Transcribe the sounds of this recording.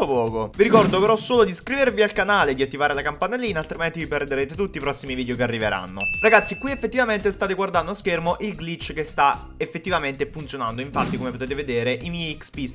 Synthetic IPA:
opɔːkoviɾikɔrd̪opeɾɔsːoːlod̪iskɾiveɾvialkanaːled̪iat̪ːivaːɾelakampanelːiːnaːlt̪ɾiment̪iviperd̪eɾeːt̪et̪ut̪ːiːpɾɔsːimiviːd̪jokearːiveɾa̰nːoraɡat̪sːikwiefːet̪ːivament̪est̪aːt̪̬eɡward̪and̪oaskermoʔilɡlit͡ʃːkest̪a | efːet̪ːivament̪efunt̪sjonand̪oiɱfat̪ːikomepot̪eːt̪eved̪eːɾeʔimɛjikspis

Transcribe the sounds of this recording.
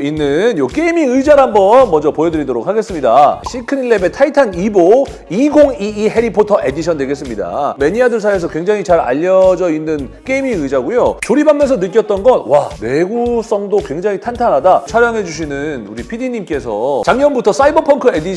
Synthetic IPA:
inːɯnjok͈e̞imiŋɯd͡ʑaɾaɦambʌnmʌnd͡ʑʌpojedɯɾidoɾok̚ʰaɡe̞s͈ɯmɲida̰ɕʰikʰɯniɭːe̞be̞tʰaitʰanibo | iɡoŋiːɦe̞ɾipʰotʰʌʔe̞diɕʰʌndwe̞ɡe̞s͈ɯmɲida̰me̞ɲiadɯɭsʰaes̬ʰʌkwe̞ŋd͡ʑaŋit͡ɕaɾa̰ʎːʌd͡ʑʌinːɯnk͈eimiŋɯjd͡ʑaɡujot͡ɕoɾibamːʌns̬ʰʌnɯt̚k͈jʌt̚t͈ʌnɡʌnwawe̞ɡus͈ʌŋdokwe̞ŋd͡ʑaŋitʰantʰanɦadat͡ɕʰaɾjaŋɦe̞d͡ʑuɕ̬ʰinɯnuɾipʰidiɲimk͈e̞sʰʌ̰t͡ɕaŋɲʌnbutʰʌs͈aibʌpʰʌŋkʰɯe̞diɕ

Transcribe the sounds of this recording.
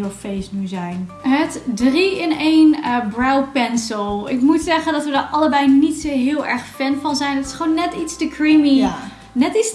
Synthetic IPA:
lˠfejsnyzɛjnɦətdriɪnejnəbrawpɛnsəlˠɪkmutsɛχəndɑtʋədəɹɑləbɛjnitsoɦɪːlˠɛ̰ɹχfɛnvɑnzɛjnətɪ̥sχonːɛtitstəkrimi | nɛtis

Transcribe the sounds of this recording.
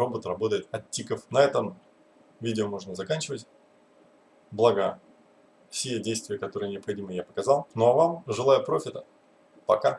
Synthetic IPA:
o̞bət̪rɐbo̞t̪əjɪt̪ɐttʲːikəfnɐɛt̪əm | vʲidʲɪomo̞ʐnəzɐkanʲt͡ɕɪvətʲ | blˠaɡə | fsʲɪjedʲejst̪vʲɪjəkɐt̪o̞ɾɨjənʲɪɐpxɐdʲiməjapə̥kɐzɑlˠnovamʐɨlˠajəpɾo̞fʲɪt̪ə | pɐka

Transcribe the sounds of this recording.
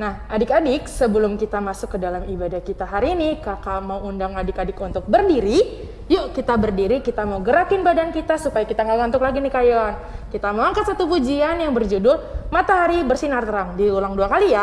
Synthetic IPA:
nahʔadɪkadɪk̚səbəlʊmkit̪amasʊkːədalamibadahkit̪aɦaɾinikakamauundaŋadɪkadɪkunt̪ʊk̚bərdiɾi | joʔkit̪abərdiɾikit̪amauɡəɾakɪnbadankit̪asupajakit̪aŋaɡant̪ʊklaɡinihkajankit̪amaaŋkat̪sat̪upud͡ʒianjaŋbərd͡ʒudʊlmat̪aɦaɾibərsinart̪əɾaŋdiulaŋduakalija

